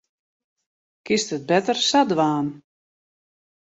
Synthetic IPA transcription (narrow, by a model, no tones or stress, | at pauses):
kɪstət̚bɛtərsadʋaːn